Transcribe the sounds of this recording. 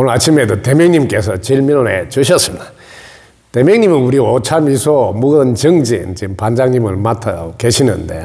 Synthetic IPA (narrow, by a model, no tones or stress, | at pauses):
onat͡ɕʰimedotemjʌŋɲimk͈esʰʌt͡ɕiɭmiɾonet͡ɕuɕʰʌs͈ɯmid̥a | te̞mjʌŋɲimɯnuɾiot͡ɕʰamisʰomuɡɯnt͡ɕɯŋd͡ʑint͡ɕimpand͡ʑaŋɲimɯɭmatʰakeɕʰinɯ̰nde̞̰